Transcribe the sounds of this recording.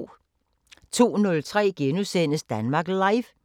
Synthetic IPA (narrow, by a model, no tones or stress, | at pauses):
t͡sʰo̝̰ːnɔ̽lt͡sʰʁɛ̰ːɡ̥enusen̰əsd̥ænmɑ̈ɡ̥lɑ̈ɪf